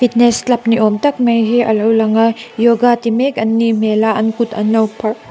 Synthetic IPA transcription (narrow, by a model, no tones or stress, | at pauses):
pʰit̚neslɐp̚niʔomtɐk̚mɐjɦiʔɐ̰lɐwlɐŋɐjoɡatimekɐnːimelaɐnkutɐ̰nːɐwpʰɐɾ